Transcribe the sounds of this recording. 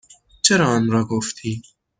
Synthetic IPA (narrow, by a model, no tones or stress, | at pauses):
t͡ʃʰeɾɒːɒːnɾɒːɡoft̪ʰiː